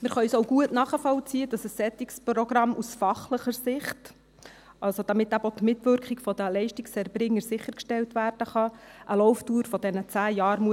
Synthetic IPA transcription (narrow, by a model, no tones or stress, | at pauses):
mɪɾχœysoʊɡuətnɑːχəfɔlt͡siəd̥ɑsəsːɛt̪iksprɔɡɾɑmʔusfɑχləχəɾsɪχt | ʔɑlsod̥̪ɑmɪt̪ːæbot̪mɪtʋʏɾkχiɡfɔd̥̪əlɛɪʃtikshɛrbɾɪŋːəɾsɪχːəɾkʃtɛltʋæːrd̥əχɑʔəlɔwftuːɾfɔd̥ɛnət͡sæːjɑːɾmuə